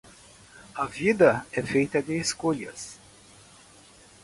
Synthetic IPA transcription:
ɐvid̪ɐɛfejt̪ɐd̪ɪːskoʎɐs

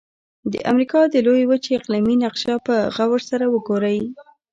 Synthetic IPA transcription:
d̪ə̰ʔa̰mɾikɑd̪əlojewət͡ʃeɪqliminaqʃɑpəɣawəɾsaɾawəɡoɾaj

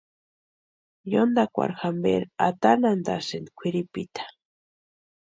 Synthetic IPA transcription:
jond̪akʷa̰ɾxambeɾat̪anand̪a̰send̪kʷʰiɾipit̪ḁ

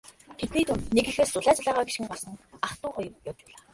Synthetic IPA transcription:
t̪ʰet̪niːt̪unt̪nekɘ̆xeːst͡sʊɮaːt͡ɕaɮaːʁaːɡiʃxɘ̆ŋɢɔɮsɞ̆ŋaχt̪ʊːχʊj̆rjɔwt͡ɕpʊːɮaː

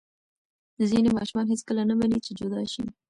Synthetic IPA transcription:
əzinemɑʃumɑnɦet͡skəlanamanit͡ʃed͡ʒod̪ɑʃi

